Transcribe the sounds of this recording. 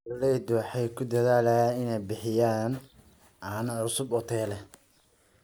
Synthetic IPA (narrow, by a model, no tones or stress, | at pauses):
lːɛd̪uħɛjkʰʊd̪ɐðaːlɐjaːɪnɛjbɪħɪjaːn | aːnɐʕʊsʊbɔt̪ʰɛːlɛ